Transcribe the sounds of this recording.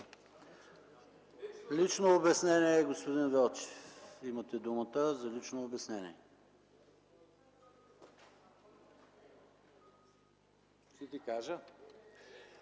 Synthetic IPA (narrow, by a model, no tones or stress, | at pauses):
lit͡ʃnoːbɛsnɛnʲiɛːɡospod̪invɛlˠt͡ʃɛ̥fimət̪ɛd̪umət̪əzɐlit͡ʃnoːbɛsnɛnʲḭɛ | t̪it̪ikaʒə